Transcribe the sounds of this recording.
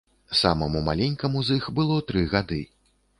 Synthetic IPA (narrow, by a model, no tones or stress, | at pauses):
samɐmuma̰lʲɛnʲkɐmuzixbɨlˠɔt̪ɾɨɣad̪ɨ